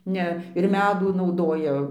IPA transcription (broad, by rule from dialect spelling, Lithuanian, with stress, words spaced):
ˈnʲɛ ɪr ˈmʲæːduː nɐʊˈdoːjɛ